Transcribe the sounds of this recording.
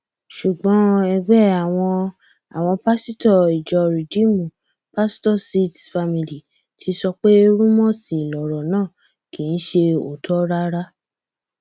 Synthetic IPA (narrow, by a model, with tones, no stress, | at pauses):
ʃu˨ɡ͡bɔ̃˨˦ɛ˧ɡ͡bɛ˦a˨w̃ɔ̃˧ | a̰˨w̃ɔ̃˧pa˦si˦tɔ˦˨i˨d͡ʒɔ˨ɾi˨d͡ʒi˦mũ˨ | pa˦stɔ˦˨si˦tfa˧mĩ˨li˨ | tʰi˧sɔ˧k͡pe˦ɾũ˦mɔ̃˦sĩ˨lɔ˨ɾɔ˨nãː˦˨ | kĩ˨n̩˦ʃe˧o˨tʰɔ˦ɾa˦ɾa˦